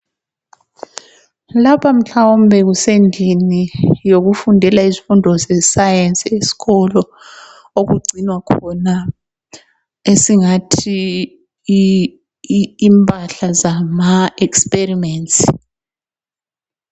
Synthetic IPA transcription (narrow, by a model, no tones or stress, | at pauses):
lapʰam̩ɬawɔm̩bʱɛk̬usend͡ɮʱinijok̬ufundʱɛlaizi̥fundʱɔzɛsajɛnsiesi̥kɔlɔ | ok̬uɡ͡ǀʱinwakʰɔna | esiŋatʰi | mpʰʼaɬazamaɛksperimɛːnsʼ